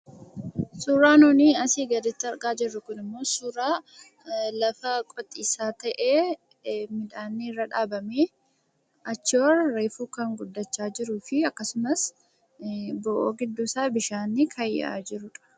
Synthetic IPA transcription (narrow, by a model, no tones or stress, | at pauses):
suːɾaːnoːniːɐsiːɡɐd̪ɪt̪ːɪɐɾɡaːd͡ʒɪrːʊkʊnɪmːo̞ːsuːɾaː | lɐfɐkʼɔt̪ʼːiːsaːt̪ɐʔeː | mɪᶑ̪aːnːirːɐᶑaːbɐmeː | ɐt͡ʃːɪɔɾɐɾeːfuːkɐŋɡʊd̪ːɐt͡ʃːaːd͡ʒɪɾuːfɪɐkːɐsʊmɐs | bɔʔoːɡɪd̪ːuːsaːbɪʃaːnːikʰɐja̰ːd͡ʒɪɾʊᶑɐ̥